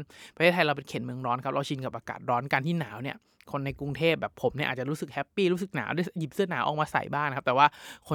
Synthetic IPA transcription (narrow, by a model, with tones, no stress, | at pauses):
npa˧tʰeː˦˥˩t̪̚ʰa˧jɾa˧wpe˧nkʰeː˨˩˦nmɯ˧əŋɾɔː˦˥nkʰa˦˥p̚ɾa˧wt͡ɕʰi˧nka˨˩p̚ʔaː˧ka̰ː˨˩t̪̚ɾɔː˦˥nka˧nt̪ʰiː˥˩naː˩˦wni˥˩ɐ | kʰo˧nːa˧jku˧ŋt̪ʰeː˥˩p̚bɛː˨˩pʰo˩˦mni˥˩ʔaː˨˩t͡ɕa˨˩ɾuː˦˥sɯ˨˩k̚hɛ˦˥pːiː˥˩ɾu˦˥sɯ˨˩k̚na̰ː˩˦wda˥˩jji˨˩p̚sɯ˥˩ɐnaː˩˦wʔːkmaː˧sa̰˨˩jbaː˥˩ŋnakʰa˦˥p̚t̪ːwaː˥˩kʰo˧